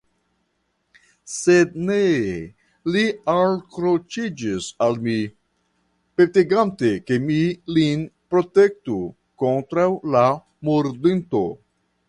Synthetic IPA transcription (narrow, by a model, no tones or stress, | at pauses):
sedne | lialkɾot͡ʃid͡ʒisalmi | peteɡante̞ke̞milinpɾo̞te̞k̚tu | ko̞ntɾawla | muɾdinto̰